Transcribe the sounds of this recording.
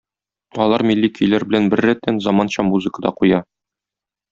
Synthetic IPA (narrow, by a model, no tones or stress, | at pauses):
ɒlˠɑɾmilʲːikʲʰijlæɾbɘ̆lænbɘ̆ɾːæt̪ːænzɒmɑnɕɑmuzɨ̆kə̆d̪ɑ̰qujɑ